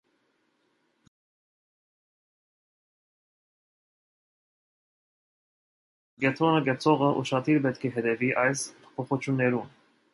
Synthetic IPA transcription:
ɡɛt̪ʰɔnəɡɛt͡sʰɔʁəʔṵʃɑt̪ʰiɾbɛt̪kʰɛɦɛt̪ɛviʔɑjspʰɔ̥pʰɔχut͡ʃʰjunːɛɾun

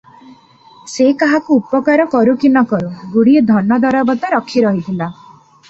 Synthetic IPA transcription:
sekaɦakuːpɔkaɾɔkɔɾukinɔkɔɾuɡuɽied̪ʱɔnːɔd̪ɔɾɔbɔt̪aɾɔkʰːiɾɔɦit̪ʰila

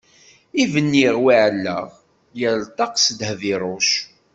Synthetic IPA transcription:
ivənːiʁwiʕəlːə̰ʁ | jælt̪ˤɑqsd̪hðiɾˤoʃ

